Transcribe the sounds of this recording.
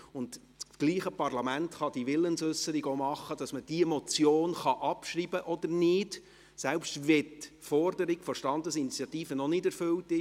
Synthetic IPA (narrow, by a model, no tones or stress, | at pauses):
ʊnd | sɡ̥liːχəpɑrlɑmæntχɑd̥iʋɪlːənsʏsːəɾiɡomɑχːəd̥ɑsməd̥iəmɔt͡sjoːnχɑʔɑpʃriːbəʔɔd̪əɾnɪd | sɛlpʃtʋɛtfɔrdəɾikfɔʃtɑnd̪əsinit͡sjɑt̪iːfənɔnɪdæɾfʏltɪ